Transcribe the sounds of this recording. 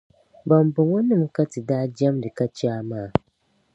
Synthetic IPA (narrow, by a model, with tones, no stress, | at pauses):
ba˨m˨bʊ˨ŋɔ˦nɨ˦˨mka˦ti˨daː˦d͡ʒa˦mdɨ˨ka˦t͡ʃi˦a˦maː˦˨